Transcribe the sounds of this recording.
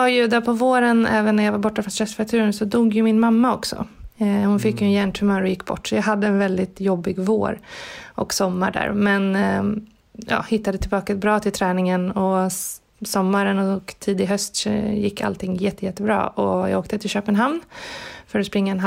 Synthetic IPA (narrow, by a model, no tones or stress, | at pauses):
ajɵd̪æpʰɔvoːɾənɛːvənːæɾjaːɡvaɾbɔʈːafɾɔnsɾɛst̪fɛɾat̪ʰʉ̟ːɾənsɔd̪uːɡjɵmɪnmamːaɔksɔ̰hʊnfɪkːjnjæːɳʈʰɵmœːɾɔjɪkːbɔ̰ʈːsɔjɑːɡɦad̪ːəɛnvɛld̪ɪt̪jɔbːɪɡvo̰ːɾʔɔ̰ksɔmːa̰ɖæ̰ːɾmɛn | jɑ̰ːhɪt̪ːad̪ət̪ʰɪlbɑːkabɾɑːt̪ʰɪlt̪ʰɾɛːnɪŋənɔ | sɔmːaɾənɔɔkt̪ʰiːd̪ɪɦœst̪sjɪkːa̰lt̪ʰɪŋːjɛt̪ːəjɛt̪ːəbɾɑ̰ːɔjɑ̰ɡoːk̚t̪ət̪ʰɪlɕøːpənɦamnfœɾɔspɾɪŋːaɛnɦ